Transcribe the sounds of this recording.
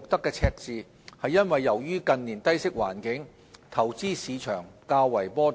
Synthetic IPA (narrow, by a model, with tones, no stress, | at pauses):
ʊ˨k̚t̪ɐ˥kːɛː˧t͡sʰɛː˧k̚t͡siː˨˧ | hɐ˨jːɐ˥nwɐ˨jːɐ˨˩wjyː˥kɐ˧nniː˨˩nt̪ɐ˥jsɪ˥k̚wa̰ː˨˩nkɪ˨˥ŋ | t̪ʰɐ˨˩wt͡siː˥siː˨˧t͡ʃʰœː˨˩ŋkaː˧wːɐ˨˩jpɔː˥